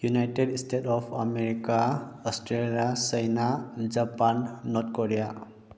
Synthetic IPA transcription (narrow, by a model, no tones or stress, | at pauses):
junajʈeɖsʈʰeʈɔpʰameɾikaɔsʈɾelijasəjnad͡ʒapanːɔt̪̚ʰkɔɾija